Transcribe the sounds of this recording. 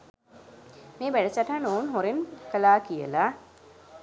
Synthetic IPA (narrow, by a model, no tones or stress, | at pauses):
meːbæɖəsaʈanoːnɦoɾenkəlaːkijə̰la